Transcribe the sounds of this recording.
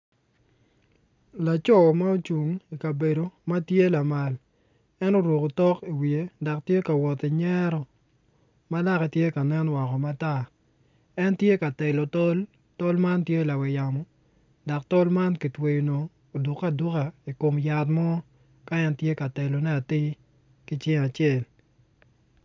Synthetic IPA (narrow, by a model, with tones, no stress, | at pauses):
la˨t͡ʃɔ˦ma˦o˦t͡ʃu˨ŋi˨ka˨be˨do˨ma˦tje˦la˨ma˨l | ɛ˦no˦ɾwo˨ko˨tɔ˦ki˨wi˨e˨˦da˨ktje˦ka˨wɔ˨t̪i˨ɲɛ˦ɾɔ˨ | ma˦la˦kɛ˨tje˦ka˨nɛ˦nwɔ˨kɔ˨ma˦ta˦ | ɛ˦ntje˦ka˨tɛ˨lɔ˨tɔ˦l | tɔ˦lma˦ntje˦˨la˨wɛ˨ja˨mɔ˦ | da˨ktɔ˦lma˦nki˨twe˨jo˨noː˨ | du˨kːa˦du˦ka˨i˨ko˨mja˨tmɔ˦ | ka˦ɛ˦ntje˦ka˨te˨lo˨nɛ˦a˨tɪ˦ | ki˦t͡ʃɪ˦ŋa˨t͡ʃɪe˦˨l